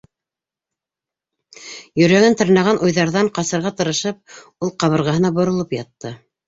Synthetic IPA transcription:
jɵ̆ɾæŋɘnt̪ɤ̆ɾnɑʁɑnʔujðɑɾðɑɴqɑsɤ̆ɾʁɑt̪ɤ̆ɾɤ̆ʃɤp̚ulˠqɑβɤ̆ɾʁɑɦɤ̆nɑbŏɾŏlˠɤpjɑt̪ːɤ

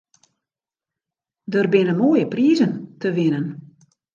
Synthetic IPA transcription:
dərbɪnəmoːjəpriːzəntəʋɪnən

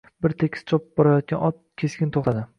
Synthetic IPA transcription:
bɪɾt̪ʰekʲɪst͡ʃʰɒpbɒɾajɒt̪̚ɡʲanʔɒt̪̚ | kʲʰe̞skʲɪnt̪ʰoχt̪ʰad̪ɪ

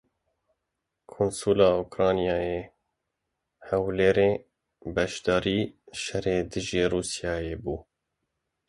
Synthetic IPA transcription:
kʰunsuːlɑːukɾɑːnijɑːjeː | hɛwleːɾeː | bɛʃd̪ɑːɾiːʃɛreːd̪ɨʒeːɾuːsijɑːjeːbuː

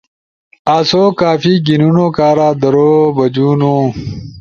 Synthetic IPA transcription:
aːsoːkaːfiɡinunoːkaːɾaːd̪ɐɾoːbɐd͡ʑuːnoː

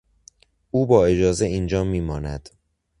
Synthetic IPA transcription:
ʔuːbɒːe̞d͡ʒɒːzeiːnd͡ʒɒːmiːmɒːnæd̪̥

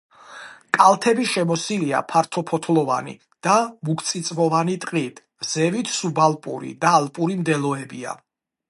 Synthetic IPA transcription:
kʼalˠt̪ʰɛbiʃɛmɔsilia̰pʰaɾt̪ʰɔpʰɔt̪ʰlˠɔva̰nḭ | d̪̥amukʰt̪sʼit̪sʼmɔvanit̪ʼqʼit̪ʰ | z̥ɛvit̪ʰsubalˠpʼuɾḭd̪aːlˠpʼuɾimd̪ɛlˠɔɛbia̰

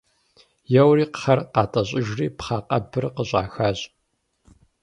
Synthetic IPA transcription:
jɛwriːqχɐrqɑːtʼɐɕʼɪʒriːpχɑːqɐ̰bɨrqəɕʼa̰ːxaːʑʼ

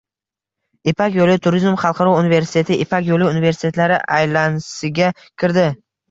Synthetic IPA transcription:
ɪpakʲjolɪt̪ʰʊɾizmχɑlˠqʰɑɾɒunive̞ɾsɪ̥t̪ʰe̞t̪ʰɪɪpʰakʲjolɪʊnive̞ɾsɪt̪e̞t̪laɾɪʔajlansɪɡʲa | kʲʰɪɾd̪ɪ

